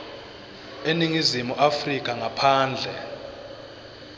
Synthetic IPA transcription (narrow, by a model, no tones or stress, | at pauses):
eniŋizimuʔafrik̬ʼaŋapʰaːnd͡ɮʱɛ